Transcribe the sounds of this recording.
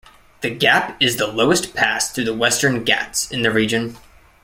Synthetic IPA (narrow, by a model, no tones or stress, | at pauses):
ðɨɡæpɨzðəloʊɨstpʰæsθɹʉðəwɛstə̃˞nɡæ̰tsɨ̃nðɨɹid͡ʒɨ̃n